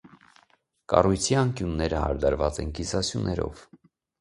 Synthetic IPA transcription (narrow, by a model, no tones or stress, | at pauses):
kɑ̰rujt͡sʰiɑŋkjunːɛɾəhɑ̰ɾd̪ɑɾvɑt͡sɛnkisɑsjunːɛɾɔ̰v